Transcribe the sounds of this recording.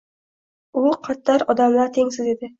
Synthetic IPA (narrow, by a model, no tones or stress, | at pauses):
ʊqʰɑt̪ːɑɾɒd̪amlaɾt̪ʰeŋsɪze̞d̪ɪ